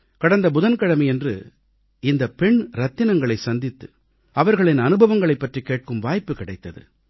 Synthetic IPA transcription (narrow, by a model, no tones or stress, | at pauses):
kɐɽɐnd̪ɐbʊðɐnkɐɽɐmɐjɛndrɯ̰ | ɪnd̪ɐpɛɳɾɐt̪ːɪnɐŋɡɐɭɐɪsɐnd̪ɪt̪ːɯ | ɐʋɐɾɣɐɭɪnɐnɯbʱɐʋɐŋɡɐɭɐɪpːɐʈrikeːʈ̚kɯmʋaːjpːɯkɪɽɐɪt̪ːɐðɯ̰